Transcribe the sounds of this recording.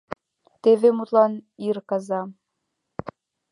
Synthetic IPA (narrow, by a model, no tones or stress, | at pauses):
t̪evemut̪lˠɑnirkɑzɑ